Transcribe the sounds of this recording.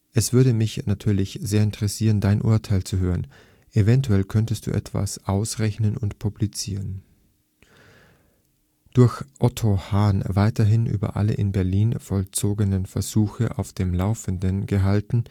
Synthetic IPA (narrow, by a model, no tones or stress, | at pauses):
ʔɛsv̥ʏɐdəmɪçnatʰyːɐlɪçz̥eːɐɪntəʁɛsiːʁəndaɪnʔʊ̰ɐtʰaɪlt͡suɦøːʁən | ʔevɛntuɛlkʰœntəst̚d̥ṵːʔɛ̰tv̥a̰sʔaʊsʁɛçnənʊntpʰublit͡siːʁən | d̥ʊɐçʔɔtʰohaːnvaɪtɐɦɪnʔy̰ːbɐ̰ʔa̰lə̰ʔɪnbɛɐliːnfɔlt͡soːɡənənfɛɐzuːçəʔa̰ʊfd̥eːmlaʊfəndənɡəɦaltn̩